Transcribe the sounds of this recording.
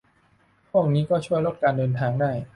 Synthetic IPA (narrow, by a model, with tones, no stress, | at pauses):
pʰu˥˩ək̚niː˦˥kɔː˥˩t͡ɕʰu˥˩əjlo˦˥˩t̪̚kaː˧ndɤː˧nt̪ʰaː˧ŋdaː˥˩j